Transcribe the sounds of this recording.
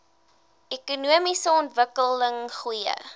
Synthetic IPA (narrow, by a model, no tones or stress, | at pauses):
ɛkunuəmisəɔntvəkələŋχujə̰